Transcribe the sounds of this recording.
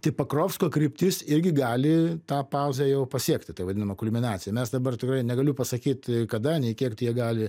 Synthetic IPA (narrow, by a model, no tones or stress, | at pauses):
t̪ɐɪpɐkroːfskoːkɾʲɪpʲt̪ʲɪsɪɾʲɡʲɪɡɑːlʲɪt̪ɑːpɑʊzʲejɛʊpɐsʲiɛkt̪ʲɪt̪ɐɪʋɐd̪ʲɪnɐmɐkʊlʲmʲɪnɑːt͡ssʲɪjɛmʲɛsd̪ɐbɐrt̪ʲɪkrɐɪnʲɛɡɐlʲʊpɐsɐkʲiːt̪kɐd̪ɐnʲɛɪkʲiɛkt̪ɐɪjiɛɡɑːlʲɪ